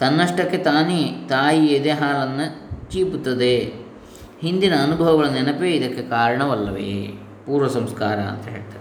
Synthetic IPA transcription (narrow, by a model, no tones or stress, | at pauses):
t̪ɐnːɐʂʈɐkːet̪aːnit̪aːjied̪ɛːɦaːlɐnːɐt͡ʃiːput̪ːɐd̪e | ɦind̪inɐːnubʱɐʋɐɡɐɭɐnːɛnɐpeːid̪ɐkːekaːɾɐɳɐʋɐlːɐʋḛː | puːɾʋɐsɐmskaːɾɐɐ̰nt̪ɐɦeːɭt̪ɐd̪e